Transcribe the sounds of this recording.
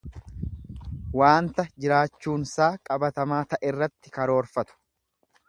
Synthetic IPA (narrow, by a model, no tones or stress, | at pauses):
waːnt̪ɐd͡ʒɪɾaːt͡ʃːuːnsaːkʼɐbɐt̪ɐmaːt̪ɐʔɛrːɐt̪ːɪkɐɾo̞ːɾfɐt̪ʊ̥